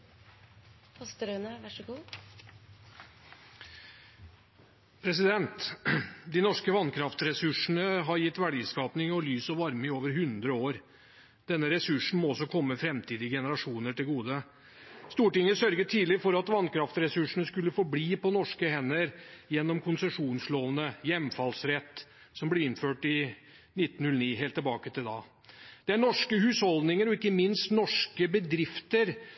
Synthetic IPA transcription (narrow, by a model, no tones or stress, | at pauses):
ɔst̪əɾœnəʋɑʂəɡuː | pʰɾɛsɪd̪ɛnt̪ | d̪ɪnɔʂkəʋɑnkʰɾɑft̪ɾɛsʉʂɳəɦɑɾjɪt̪ːʋæɖiːskɑːpnɪŋɔlyːsɔʋɑɾmɪoːʋəɾɦʉnd̪ɾəoːɾ | d̪̥ɛnːəɾɛsʉʂɳ̩mɔɔsːɔkʰɔmːəfɾɛmt̪ʰiːd̪ɪɡɛnəɾɑʂuːnəʈɪlɡuːd̪ə | st̪uːʈɪŋːəsœɾɡət̪ʰiːd̪lɪfɔɾɑt̪ʋɑnkʰɾɑft̪ɾɛsʉʂːəɳəskʉlːəfɔbliːpɔnɔʂkəhɛnːəɾjɛnːɔmkʰʊnsɛʂuːnsloːʋənəjɛmfɑlsɾɛt̪ː | sɔmblɪɾɪnføːʈɪ | nɪt̪ːn̩nʉlniːɦeːlt̪ːɪlbɑːkət̪ɪld̪ɑ̰ː | d̪̥ɛæɳɔʂkəhʉːshɔld̪nɪŋəɾɔɪkːəmɪnst̪nɔʂkəbəd̪ɾɪft̪əɾ